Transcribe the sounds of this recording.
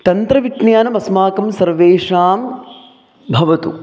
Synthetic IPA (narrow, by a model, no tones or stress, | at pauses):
t̪ɐnt̪ɾɐʋiʈnjaːnɐmɐsmaːkɐmsɐɾʋeːʂaːm | bʱɐʋɐt̪ṵ